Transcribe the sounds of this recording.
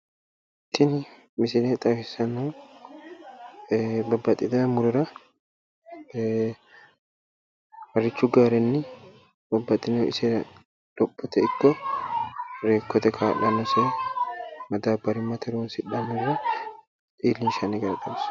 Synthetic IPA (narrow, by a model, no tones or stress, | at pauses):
t̪ːɪnɪ | mɪsɪlet̪ʼɐfɪsɐnːo | bɐbːɐt̪ʼːɪd̪ɐmʊɾʊɾɐ | wɐrːɪt͡ʃːʊɡaːɾɛnːɪ | bɐbːɐt̪ʼːɪnoɪ̰sɛ | ᶑ̥ɔbːɔt̪ɛɪkːɔ | ɾeːkːɔt̪ɛkʰaːlɐnɔseː | mɐd̪aːbɐɾɪmːɐt̪ʰɛɾuːnsɪᶑɐmʊɾʊɾɐ | tʼiːlːɪnʃɐnɪɡɐɾɐt̪ɐms